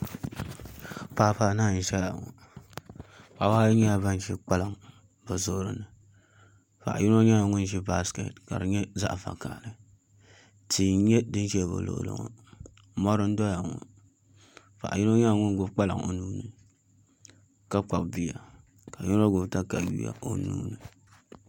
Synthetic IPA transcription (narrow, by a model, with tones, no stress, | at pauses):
paː˦paː˨˦naː˦˨n̩˨˦ʃɛ˦la̰˨ŋɔ̰˨ | pa˨˦waː˦jɲɛ˦a˨ba˦n˦ʃi˦k͡pa˦la˨ŋ˨ | bɨ˨zo˦ɾɨ˦nɨ˨ | fa̰˨ʔji˦no˦ɲa˦˨ŋʊ˦nʒi˦ba˦skḛ˨tka̰˨ɾɨ˨ɲɛ˦za̰˦ʔfa̰˨ka̰˨lɨ˨ | ti˨˦ɲɛ˦dɨ˦n˦ʃɛ˦˨bɨ̰˨lo̰˨ʔʊ̰˨lo̰˨ŋɔ̰˦ | mɔ˦ɾɨ˦n̩˦dɔ˦ja˨ŋɔ̰˨ | fa̰˨ʔji˦no˦ɲa˦˨ŋʊ˦ɡʊ˦bk͡pa˦lɨ̰˨ŋo̰˨nuː˦nɨ˨ | ka˦k͡pa˨bbi˦ja˨ | ka˨ju˦no˦ɡʊ˨bta˦ka˨jṵ˦ja̰˨o˨nṵː˦nɨ˨